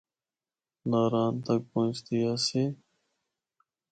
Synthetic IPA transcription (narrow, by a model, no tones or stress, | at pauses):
naːɾaːnt̪ək̚põːt͡ʃt̪ijaːseː